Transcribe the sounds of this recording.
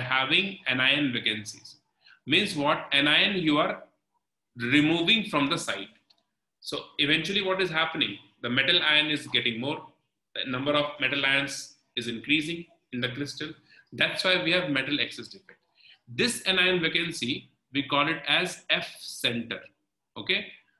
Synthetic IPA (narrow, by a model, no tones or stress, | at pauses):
ɦæʋɪ̃ŋɛ̃naɪə̃nʋekə̃nsḭz̥ | mĩːnzʋɔʈɛ̃naɪə̃njuːaɾ | ɾɪmuːʋɪ̃ŋfɾɔ̃md̪əsaɪʈ̚ | soːɪʋɛ̃nt͡ʃuəliʋɔʈɪzɦæpənɪ̃ŋ | d̪əmɛʈəlãɪə̃nɪzɡɛʈɪ̃ŋmoːɾ | d̪̥ənʌ̃mbəɾɔʋmɛʈəlaɪə̃ns | ɪzɪ̃nkɾiːzɪ̃ŋ | ɪ̃nd̪əkɾɪsʈəl | d̪æʈsʋaɪʋiːhæʋmɛʈəlɛksesɖɪfɛk̚ʈ | d̪ɪsɛ̃naɪə̃nʋekə̃nsi | ʋiːkɔːlɪʈɛzɛfsɛ̃ɳʈə̰ɾ | oːkeː